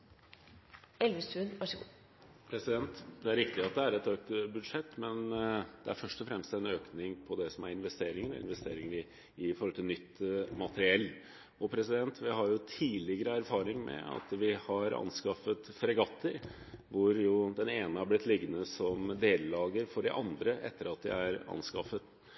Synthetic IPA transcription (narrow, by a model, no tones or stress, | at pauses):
ɛlʋəsʉnʋɑʂ | pʰɾɛsɪd̪ɛnt̪d̪ɛæɾɪkt̪ɪɑt̪̚d̪ɛæɾɛt̪øːk̚t̪bʉd̪ʂɛt̪ːmɛnd̪̥ɛæɾfœʂʈɔfɾɛmst̪ɛnøːknɪŋpʰɔd̪ɛsɔmæɾɪnʋɛst̪eːɾɪŋəɾɔ̰ɪ̰nʋɛst̪ḛːɾɪŋəɾɪ | ɪfɔɾhɔlt̪ʰɪlnʏt̪ːmɑt̪əɾɪɛlː | ɔpʰɾɛsɪd̪ɛnt̪ʋɪɦɑɾjʊt̪ʰiːlɪɡəɾəæɾfɑːɾɪŋmɛ̰ɑ̰t̪ʋɪhɑɾɑ̰nskɑfət̪fɾɛɡɑt̪ʰːəɾ | ʋʊɾjʊd̪ɛneːnəhæɾblɪt̪ʰːlɪɡːənəsɔmd̪eːlːɑːɡəɾfɔɖɪ̰ʔɑnd̪ɾəʔɛ̰t̪ːəɾɑt̪d̪ɪ̰æɾɑ̰nskɑfːət̪